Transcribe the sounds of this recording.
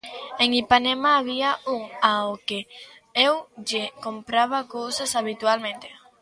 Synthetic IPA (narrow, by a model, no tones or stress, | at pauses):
eŋipanemaːβiauŋaoke | ewd͡ʒekompɾaβ̞akowsasaβit̪ualmẽnt̪e